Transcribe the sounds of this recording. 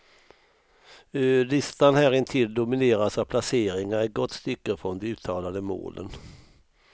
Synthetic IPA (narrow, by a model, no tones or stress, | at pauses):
ølɪst̪anhæːɾɪnt̪ʰɪld̪ʊmɪneːɾasapʰlaseːɾɪŋaɾæɡɔt̪ːst̪ʏkːəɾfɾɔnd̪ɛʉ̟ːt̪ʰːɑːlad̪əmo̰ːlʔə̰n